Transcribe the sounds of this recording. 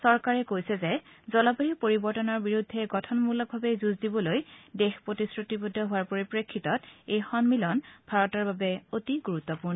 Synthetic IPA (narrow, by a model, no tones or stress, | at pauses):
sɔɹkaɹɛkojsɛzɛzɔlabaɹipoɹibɔɹtɔnɔɹbiɹudʱːɛɡɔtʰɔnmulɔɡ̚bʱabɛzuzdibɔlojdexpɹotisɹutibodʱːɔɦʊwaɹpoɹipɹekʰːitɔtejxɔnmilɔnbʱaɹɔtaɹbabɛotiɡuɹut̪ːɔpuɹnɔ